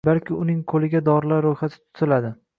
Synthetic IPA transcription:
balkʲʰɪʊnɪŋkʰolɪɡʲad̪ɒɾlaɾːojχat̪ʰɪ̥t̪ʰʊ̥t̪ʰɪlad̪ɪ

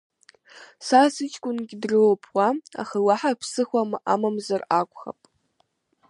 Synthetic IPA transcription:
sasɨt͡ʃʰʼkʷʼʊnɡʲɪdrɨwpʰwaa̰χawaħapʰsɨχʷamʔamamzarakʷʰʼχa̰pʼ

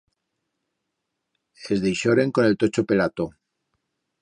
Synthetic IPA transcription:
ezðejʃoɾe̞ŋko̞ne̞lt̪o̞t͡ʃope̞lat̪o

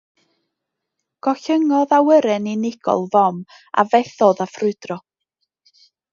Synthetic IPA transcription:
ɡ̥ɔɬəŋɔðawəɾɛninɪɡ̥ɔ̰lˠvɔm | a̰vɛθɔðafrʊd̥rɔ

